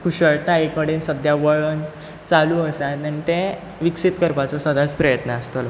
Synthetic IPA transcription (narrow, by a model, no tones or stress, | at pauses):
kuɕəɭt̪aekəɽiːnsəd̪ʱjaʋəɭən | t͡saluəsat̪anit̪ẽ | ʋiksit̪kəɾpat͡sɔsəd̪ʱat͡spɾəjət̪nəəst̪ol